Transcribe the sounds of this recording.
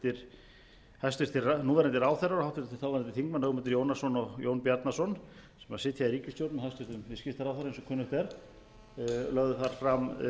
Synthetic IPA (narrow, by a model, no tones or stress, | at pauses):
t̪ɪɾ̥ | hast̪ʏɾ̥t̪ʰɪranuːðaɾɛnt̪ɪɾaːwθɛɾaɾahawht̪ɪɾt̪t̪ʰɪθawvaɾɛnt̪ɪ̥θiŋkmanœɣmʏɛnt̪ɪɾjownasɔnɔɣjownpjaɾt̪nasɔnsɛmasɪt̪ʰjaðiɾiːcɪst̪jowt̪nahast̪ʏɾt̪ʏmvɪscɪft̪θaɾaːwθaɾensɔkʰʏnʏht̪ɛɾ | lœɣðʏθaɾ̥fɾam